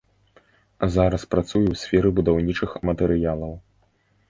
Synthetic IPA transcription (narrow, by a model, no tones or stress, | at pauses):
zaɾɐspɾat̪sujɛwsʲfʲɛɾɨbud̪awnʲit͡ʂɨxmɐt̪ɛɾɨjalˠɐw